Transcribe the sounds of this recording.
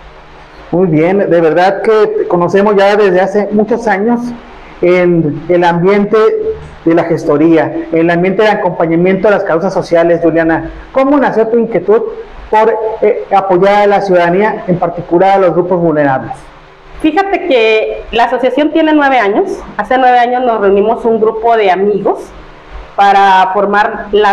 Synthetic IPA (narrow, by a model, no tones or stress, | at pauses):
mujβjend̪e̞β̞e̞ɾðaðkeko̞no̞se̞mo̞zʝaðe̞zðe̞ase̞mut͡ʃo̞saɲo̞s | enelambje̞nt̪e̞ | ðe̞laxe̞st̪o̞ɾiaenelambje̞nt̪e̞ðelako̞mpaɲamje̞nt̪oelaskawsasːo̞sjale̞zʝuljana | ko̞monasjo̞t̪uiŋkje̞t̪uðpo̞ɾapo̞ʝaɾalasjuðaðaniae̞mpaɾt̪ikulaɾalo̞zɣɾupo̞zβulne̞ɾaβles | fixat̪e̞kelaːso̞sjasjo̞nt̪je̞nenwe̞β̞e̞aɲo̞sase̞nwe̞β̞e̞aɲo̞zno̞sre̞unimo̞suŋɡɾupo̞ðe̞amiɣo̞s | paɾafo̞ɾmaɾla